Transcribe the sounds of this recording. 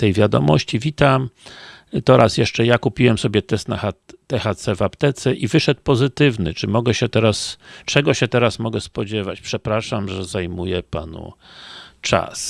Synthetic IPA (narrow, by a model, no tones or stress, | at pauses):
t̪ɛjvʲjad̪ɔ̰mɔ̰ɕt͡ɕivʲit̪am | t̪ɔɾasjɛʂt͡ʂɛjakupʲiwɛmsɔbʲjɛt̪ɛst̪naxat̪ɛxat̪sɛvapt̪ɛt̪sɛʔivɘʂɛt̪̚pɔzɘt̪ɘvnɘ̰t͡ʂɘmɔɡɛɕɛt̪ɛɾast͡ʂɛɡɔɕɛt̪ɛɾasmɔɡɛspɔd͡ʑɛvat͡ɕpʂɛpɾaʂamʐɛzajmujɛpanṵ | t͡ʂa̰s